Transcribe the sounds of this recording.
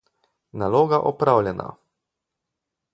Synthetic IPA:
nalɔːɡaʔɔpɾawlʲjɛna̰

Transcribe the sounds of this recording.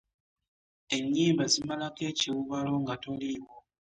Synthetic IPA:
eɲːiːmbazimalakeːciwuβalo̞ŋɡatoliwo

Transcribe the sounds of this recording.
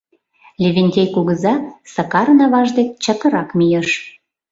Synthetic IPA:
lʲeβʲenʲtʲejkuɣə̆zɑsɑkɑɾənɑβɑʒd̪ek̚t͡ɕək̪ə̆ɾɑkmʲijeʃ

